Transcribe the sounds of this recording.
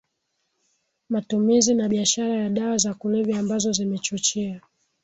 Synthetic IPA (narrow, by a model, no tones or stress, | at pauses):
matumizinaɓiaʃaɾajaɗawazakulɛvɛambazɔzimɛt͡ʃut͡ʃia